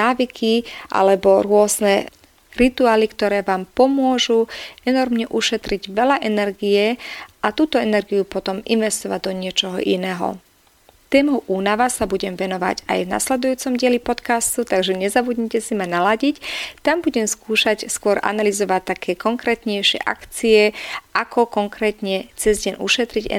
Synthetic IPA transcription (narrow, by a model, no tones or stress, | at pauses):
aːʋikʰiʔa̰lɛbɔɾʊɔznɛ | ɾit̪uaːlikt̪ɔɾɛːʋaːmpɔmʊɔʒuɛnɔɾmɲɛʔuʃɛt̪ɾiɟʋɛʎaʔɛnɛɾɡiɛʔat̪uːt̪ɔɛnɛɾɡijupɔt̪ɔmḭnʋɛst̪ɔʋaɟd̪ɔɲɪɛt͡ʃɔɦɔ̰ʔḭnɛːɦɔ̰ | t̪ɛːmɔʔuːnaʋasabuɟɛmvɛnɔʋa̰ɟa̰jvna̰slɛd̪ujuːt͡sɔmɟɪɛlipɔt̪kast̪ut̪aɡʒɛɲɛzabud̪ɲicɛsimanalaɟict̪ambuɟɛmskuːʃacskʊɔɾʔa̰nalizɔʋac̚t̪ːakʰɛːkɔŋkɾɛːt̪ɲɛjʃɪɛ̰ʔa̰kt͡siɛʔakʰɔkɔŋkɾɛːt̪ɲɛt͡sɛzɟɛɲʔṵʃɛt̪ɾiɟɛ̰